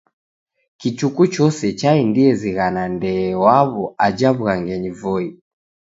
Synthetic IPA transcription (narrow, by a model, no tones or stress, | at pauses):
kit͡ʃukut͡ʃɔsɛt͡ʃaindiɛziɣanandɛːwaβɔad͡ʒaβuɣaŋɡɛɲivɔi